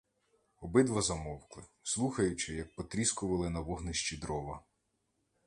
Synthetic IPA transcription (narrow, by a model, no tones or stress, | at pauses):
ɔbɪd̪ʋɐzɐmɔwklˠɪslˠuxɐjʊt͡ʃɪjɐk̚pɔt̪ɾʲiskʊʋɐlˠɪnɐʋɔɦnɪʃt͡ʃid̪ɾɔʋɐ